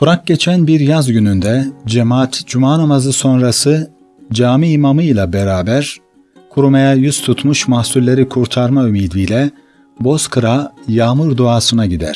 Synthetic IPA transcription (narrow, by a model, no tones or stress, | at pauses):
fuɾak̚ɟe̞t͡ʃʰænbiɾjazɟynynd̪ɛd͡ʒemaːt̪d͡ʒumaːnamazɯso̞nɾasɯ | d͡ʒaːmiːmamɯjlʲˠabeɾaːbæɾ | kʰuɾumajajyz̥t̪ʰut̪muʃmahsulːʲe̞ɾikʰuɾt̪ʰaɾmaymiːd̪ijlʲɛ | bo̞skʰɯɾajaːmɯɾd̪uaːsɯnaɟid̪æ̰ɾ̥